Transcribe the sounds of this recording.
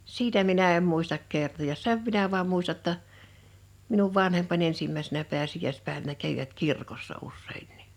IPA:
sitæ minæ em muistɑk kertojɑs seʋ minæ ʋɑːm muistɑ tːɑ minuʋ ʋɑnhempɑnʲ ensimːæisenæ peæsijˑæˑispæˑeʋænæ kæʋiʋæt kirkosːɑ usːeˑinːi̥

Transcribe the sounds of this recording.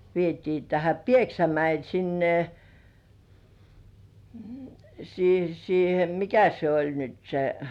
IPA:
ʋietiː tæhæ pieksæmæil sinːe siː siːhe mikæ se olʲ nyt se

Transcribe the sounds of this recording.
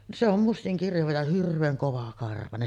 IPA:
se om mustiŋ kirjɑʋɑ jɑ hirʋˑeːŋ koʋɑkɑrʋɑnen

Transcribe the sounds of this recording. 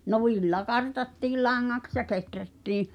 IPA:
no ʋilːɑ kɑrtɑtːiːl lɑŋːɑks jɑ ketrætːiːĩ

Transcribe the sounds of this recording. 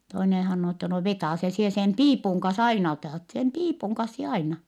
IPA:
toinen hɑnːoː etːɛ no ʋetɑˑse sie sem piːpuŋ kɑns ɑinɑ otɑˑt sem piːpuŋ kɑns sie ɑinɑ

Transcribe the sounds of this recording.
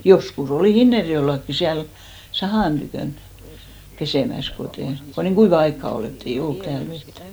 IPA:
joskus oliˑ hinːerjoelːɑkːi siæl sɑhɑˑn tykøˑn peseˑmæs koteˑ ko niːŋ ɡ̊uiʋɑ ɑikːɑ ol etː ei olːut tæːl ʋetːæ̥

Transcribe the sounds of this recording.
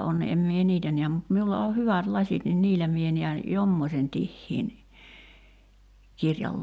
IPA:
on em mie niːtæ niæm mut miulːɑ o hyʋæt lɑsʲit nin niːlːæ mie niæn jomːosʲen tihːiːn kirjɑl

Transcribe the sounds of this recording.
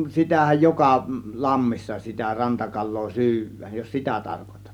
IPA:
sitæhæj jokɑ lɑmːisːɑ sitæ rɑntɑkɑlˑoː sy̞yʋˑæːj jos sitæ tɑrkotɑ̥tːɑ̥

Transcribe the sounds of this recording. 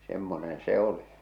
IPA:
semːonen se oli

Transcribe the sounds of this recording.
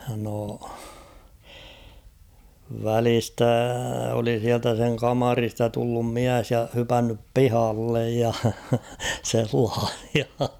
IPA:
no ʋælistæ oli siæltæ seŋ kɑmɑristɑ tulːum miæs jɑ hypænːyp pihɑlːej jɑ selːɑːh̞i̥ɑ̥

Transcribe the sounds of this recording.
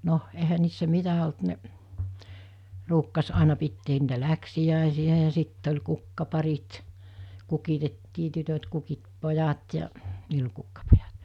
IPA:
no ehæ niːsːæ mitæ olt neʔ ruːkːɑs ɑˑenɑ pitːeːn niːtæ læksiæˑesiæ jɑ sitː olʲ kukːɑpɑrit kukitetːiː tytøt kukit pojɑt jɑ niːl olʲ kukːɑpojɑt

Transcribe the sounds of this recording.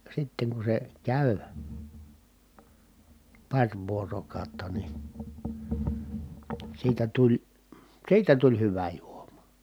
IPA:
sitːeŋ ku se kæˑy pɑrʲ ʋuorokɑˑotːɑ ni siːtæ tulʲ siːtæ tulʲ hyʋæ juomɑ̥

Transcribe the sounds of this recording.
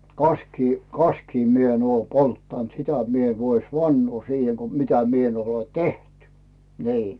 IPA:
kɑskiː kɑskiː mi en oː poltːɑnt sitæ mi en ʋois ʋɑnːoː siːhe ko mitæ mie en ole teht niː

